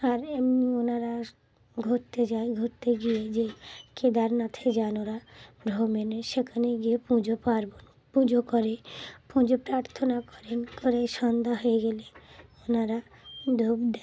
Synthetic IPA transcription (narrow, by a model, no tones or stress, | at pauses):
aɾamnionaɾa | ɡʱot̪ːed͡ʑajɡʱoɾt̪ːeɡied͡ʑeked̪aɾnat̪ʰed͡ʑanoɾabɾomenoʃekʰaneɡiepũd͡ʑopaɾbon | pũd͡ʑokoɾepũd͡ʑopɾaɾt̪ʰonakɔɾenkoɾejʃɔnd̪aɦoeɡeleonaɾa | d̪ʱobd̪e